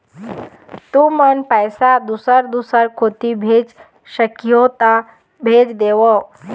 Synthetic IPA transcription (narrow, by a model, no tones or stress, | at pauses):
t̪ũmənpəjsad̪usəɾd̪usəɾkʰot̪ibʱed͡ʒ | ʃəkijot̪a | bʱeːd͡ʒd̪eːʋo